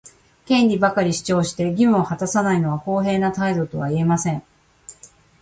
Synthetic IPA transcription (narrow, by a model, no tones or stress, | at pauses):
kẽ̞nʲɾʲibakaɾʲiɕi̥t͡ɕo̞ːɕi̥t̪e̞ɡʲimɯ̟ohat̪asanaino̞βako̞ːɦe̞ːnat̪aid̪o̞t̪o̞βaie̞masẽ̞ŋ